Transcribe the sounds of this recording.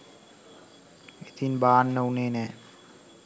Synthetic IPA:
et̪ʰinbaːnːəuneːnɛː

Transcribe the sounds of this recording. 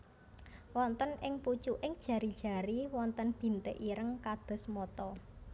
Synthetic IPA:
wɔnt̪ənɪŋput͡ʃuʔɪŋd̥ʒ̥ä̤ɾid̥ʒ̥a̤ɾiwɔnt̪ənb̥i̤nt̪ḛʔiɾəŋkad̪̥ɔ̤smɔt̪ɔ

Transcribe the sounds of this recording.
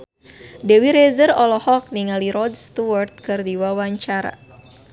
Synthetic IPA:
dewiɾezərɔlɔhɔk̚niŋaliɾɔdst̪uwart̪̚kɨrdiwawaɲt͡ʃaɾa̰

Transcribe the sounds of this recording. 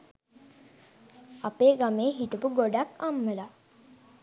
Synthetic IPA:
apeːɡameːɦiʈupuɡoɖakamʋela

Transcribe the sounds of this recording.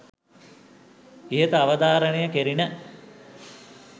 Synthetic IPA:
iɦət̪əaʋəd̪aːɾənejəkeɾinə

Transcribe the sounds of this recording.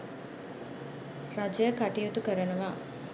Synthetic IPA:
ɾad͡ʒɐjəkaʈijut̪ukəɾənəʋaː

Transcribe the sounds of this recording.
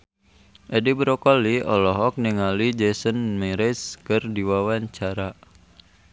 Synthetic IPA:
ʔedibɾɔkɔliɔlɔɦɔk̚niŋalid͡ʒɛsənmɛɾɛskərdiwawaɲt͡ʃaɾa

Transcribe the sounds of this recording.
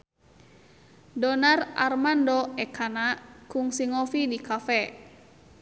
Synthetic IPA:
dɔnara̰rmandɔɛkʰanakuŋsiŋɔfidikafɛ

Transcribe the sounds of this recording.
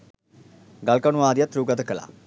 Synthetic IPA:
ɡɐlkɐnuʋaːd̪ijɐt̪ɾuːɡɐt̪əkəla̰

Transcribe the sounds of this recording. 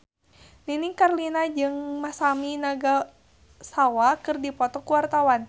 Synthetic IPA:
ninikarlinad͡ʒɨŋmasaminaɡa | sawakɨrdipɔt̪ɔkuwart̪awan

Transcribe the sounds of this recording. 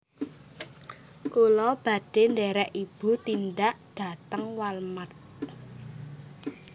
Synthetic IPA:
kulɔb̥ä̤ɖ̥e̤nɖɛɾɛʔib̥ṳt̪indaʔd̥a̤t̪əŋwalmat̪̚

